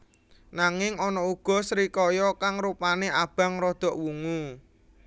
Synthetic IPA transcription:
naŋɪŋɔnɔuɡ̥ɔ̤sɾikɔjɔkaŋɾupaneʔab̥ä̤ŋrɔd̪̥ɔ̤ʔwuŋu

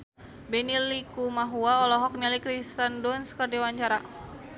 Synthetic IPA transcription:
bɛnilikumaɦuaɔlɔɦɔk̚nɛlikɾist̪andɔnskərdawaɲt͡ʃaɾa

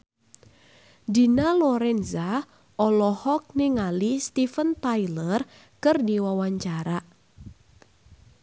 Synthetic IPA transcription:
di̤nalɔɾɛnza | ʔɔlɔhɔk̚niŋalist̪ifənt̪ajlər | kɨrdiwawaɲt͡ʃaɾa

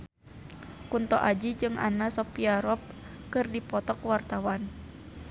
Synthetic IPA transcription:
kunt̪ɔ̰ʔad͡ʒid͡ʒɨŋʔa̰nasɔpiaɾɔp̚ | kɨrdipɔt̪ɔkwart̪awan

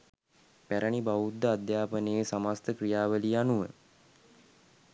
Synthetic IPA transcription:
pæɾəɳibaud̪ːəad̪jaːpənəesamast̪əkrijaːʋəlianuʋə̰

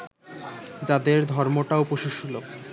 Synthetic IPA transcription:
d͡ʑad̪eɾd̪ʱɔɾmoʈaupoʃuʃulo

